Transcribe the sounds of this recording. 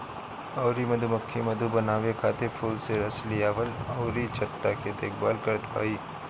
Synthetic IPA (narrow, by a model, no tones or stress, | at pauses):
ɔːɾimɐd̪ʱumɐkʰːimɐd̪ʱubɐnaːʋekʰaːt̪epʰuːlseɾɐslijaːʋəlɔːɾit͡ʃɐt̪ːaked̪eːk̚ʰbaːlkɐɾd̪a̰ːiː